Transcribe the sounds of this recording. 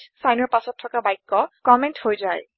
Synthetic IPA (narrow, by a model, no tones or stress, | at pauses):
sajnɔɹpasɔtʰːɔkabajkːɔkɔmɛnthojzaj